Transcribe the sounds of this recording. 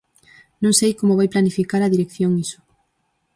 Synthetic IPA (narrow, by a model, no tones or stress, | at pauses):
nõŋsejkomʊβajplanifikaɾɐðiɾekθjoŋisʊ̥